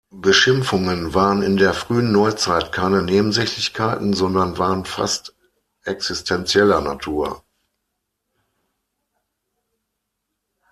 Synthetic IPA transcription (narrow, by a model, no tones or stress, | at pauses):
b̥əʃɪmfʊŋənvaːʁənɪndeːɐfʁ̥yːənːɔʏt͡saɪtkʰaɪnəneːbm̩zɛçlɪçkʰaɪtn̩zɔndɐnvaːʁənfa̰st | ʔɛksɪstʰɛnt͡sjɛlɐna̰tʰuːɐ